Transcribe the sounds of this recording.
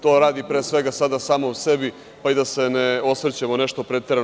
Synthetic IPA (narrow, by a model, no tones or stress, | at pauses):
t̪o̞ːɾaːd̪ipɾeːsʋe̞ɡasad̪asaːmouse̞bi | paid̪ase̞neo̞sʋr̩t͡ɕemoneʃt̪opɾet̪eɾa